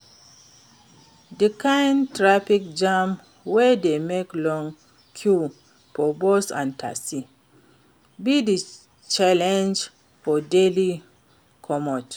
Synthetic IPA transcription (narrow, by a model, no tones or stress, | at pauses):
dəkãjntɹafikd͡ʒãm | wɛdemeklɔ̃ŋ | kʰju | fɔbosã̰ntʰa̰si | bidi | t͡ʃalɛ̃nd͡ʒ | fɔdeli | kʰɔmɔt